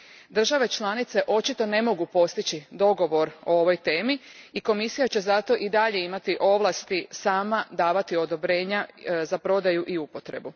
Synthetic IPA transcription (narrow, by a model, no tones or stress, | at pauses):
d̪r̩ʒaʋe̞t͡ʃlanit̪se̞ʔo̞t͡ʃit̪o̞ne̞mo̞ɡupo̞st̪it͡ɕid̪o̞ɡo̞ʋo̞ɾo̞oʋo̞jt̪e̞ːmiiko̞misijat͡ɕe̞zat̪o̞ʔid̪aʎe̞imat̪iʔo̞ʋlˠast̪isaːmad̪aːʋat̪io̞d̪o̞bɾe̞ːɲazapɾo̞d̪ajuʔiupo̞t̪ɾe̞̰bu